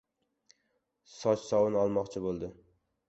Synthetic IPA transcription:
sɒt͡ʃsɒwɪnɒlˠmɒqt͡ʃʰɪbolˠd̪ɪ

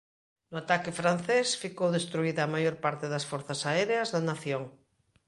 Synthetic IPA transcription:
nʊat̪akɪfɾan̟θesfikowðest̪ɾuiðaːmajoɾpaɾt̪ɪðɐsfoɾθɐsaɛɾeɐzðɐnaθjoŋ

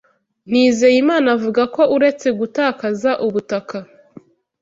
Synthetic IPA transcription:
n̥iːzejimaːnavuɡako̞ʔuɾe̞t͡se̞ɡutaːkazaʔuβutaka

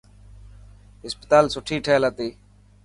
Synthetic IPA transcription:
ɦɪspət̪aːlsʊʈʰiːʈʰeːlət̪iː

